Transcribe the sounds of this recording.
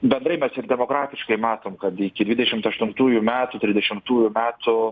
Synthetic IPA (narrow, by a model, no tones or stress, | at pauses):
bʲɛnd̪ɾɐɪmʲɛsɪɾd̪ʲɛmoːkɾɑːt̪ʲɪʃkɐɪmɑːt̪oːmkɐt̪ɪkʲɪd̪ʲʋʲɪd̪ʲɛʃʲɪmt̪ɐʃt̪ʊnt̪uːjʊmʲæːt̪ʊt̪ʲɾʲɪzʲd̪ʲɛʃʲɪmt̪uːjʊmʲæːt̪ʊ